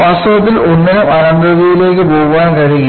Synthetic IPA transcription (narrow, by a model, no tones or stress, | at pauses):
pɐsoɐt̪̬ːilo̞nːɐnumɐnɐnd̪ɐðijile̞ːk̬ːɨboːɣuʋaːnkɐɻiɣɐ